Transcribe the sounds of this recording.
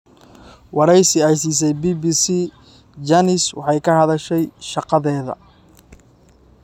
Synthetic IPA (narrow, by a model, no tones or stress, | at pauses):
wɑɾɛjsɪæjsiːs̬ɛjbiːbisi | d͡ʒɐnɪswɑ̰ħɑjkʰɐhɐðɐʃɛjʃɑqɑðɛːðɐ̰